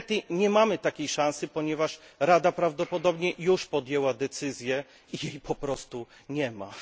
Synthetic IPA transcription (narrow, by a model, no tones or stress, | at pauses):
t̪ɘɲɛmamɘt̪akʲejʂãsɘpɔɲɛvaʂɾad̪apɾavd̪ɔpɔd̪ɔbɲɛjuʂpɔd̪jɛwad̪ɛt̪sɘzʲjɛ | ijejpʰɔpɾɔst̪uɲɛma̰